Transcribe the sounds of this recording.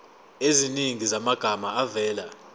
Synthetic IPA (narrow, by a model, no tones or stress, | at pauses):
eziniŋizamaɡ̥ʱamaavɛːla